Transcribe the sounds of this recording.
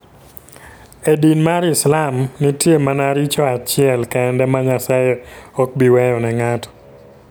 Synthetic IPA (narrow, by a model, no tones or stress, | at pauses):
edinmaɾɪslamnitjemanaɾit͡ʃɔat͡ʃɪɛlkɛɛndɛmaɲasajeɔk̚biwɛjɔnɛŋatɔ̥